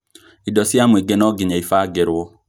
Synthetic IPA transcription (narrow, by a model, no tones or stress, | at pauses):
idɔsjamweɡenɔɡiɲaifaːɡɛɾwɔ